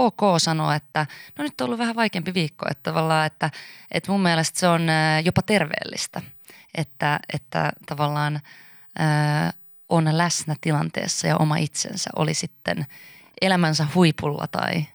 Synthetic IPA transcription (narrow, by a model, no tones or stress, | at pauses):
oːkoːsɑnoet̪ːænonyt̪ːoolːuʋʋæhæʋɑikeːmpiʋiːkːoḛt̪ːt̪ɑʋɑlːɑːet̪ːæet̪mumːielest̪seonːjopɑt̪e̞rʋḛːlːist̪æʔet̪ːæet̪ːæ̰t̪ɑʋɑlːɑːn | əː | ʔonlæsnæt̪ilɑnt̪ḛːsːɑjɑʔo̰mɑʔit̪sḛnsæ̰ʔo̰lisit̪ːḛn | elæmænsæhuipulːɑ̰t̪ɑ̰i